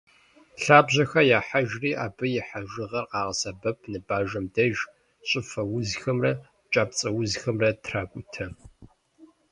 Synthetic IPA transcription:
ɬaːbʑɐxɐjaːħaʒriːʔaːbɨjɪħaʒɨʁɐrqɑːʁɐsɐbɐpʰnɨbaːʒɐmdɐʒ | ɕʼɪfɐwʊzxɐmrɐ | t͡ʃʼaːpt͡sʼɐwʊzxɐmrɐtʰraːkʷʼʊtʰɐ

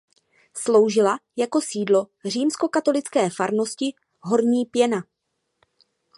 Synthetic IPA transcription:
slo̞wʒɪlajako̞siːdlo̞r̝iːmsko̞kat̪o̞lɪt͡skɛːfaɾno̞scɪ | ɦo̞ɾɲiːpjɛna

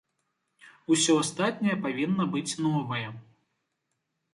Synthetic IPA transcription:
usʲɔast̪at̪̚ʲnʲɐjɐpavʲinːɐbɨt͡sʲnɔvɐjɛ

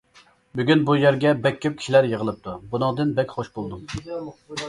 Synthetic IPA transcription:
byɡʲynbujæɾɡʲɛbɛkʲːyp̚kʲi̥ʃilæɾjəʁəlˠɨp̚t̪ʰubunɨŋd̪ɨnbɛkʲχoʃbolˠd̪u

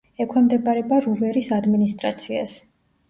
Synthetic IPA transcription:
ɛkʰwɛmd̪ɛbaɾɛbaɾuvɛɾisad̪minist̪ʼɾa̰t̪sʰia̰s

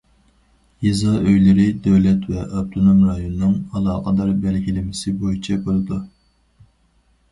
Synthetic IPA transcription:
jizɑʔøjlɪɾɪd̪ɛwlɛt̪vɛʔɑb̚t̪ʰonomɾɑjonɨnɨŋɑlˠɑːqʰəd̪ɑɾbælɡʲilɪmɪsɪbojit͡ʃʰɛbolˠɨd̪u

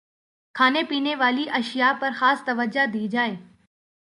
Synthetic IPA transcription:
kʰaːnepiːneʋaːliʔɐʃɪjapɐɾxaːst̪ɐʋəd͡ʒad̪iːd͡ʒaːeː

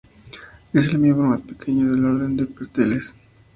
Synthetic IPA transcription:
e̞s̬elmizmomaspekʰe̞ɲoðe̞lo̞ɾðe̞nd̪epeɾt̪eles

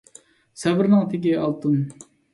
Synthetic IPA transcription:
sɛbɪɾnɨŋt̪ʰɪkʲiɑlˠt̪ʰum

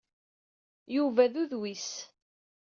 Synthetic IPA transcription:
juvæðuðwis

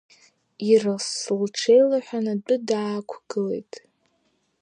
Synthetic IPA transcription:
irasɨlʈ͡ʂʰejlaħʷᶣanat͡pʷʼʊdaːkʷʰɡ̥ɨle̞̰jtʼ

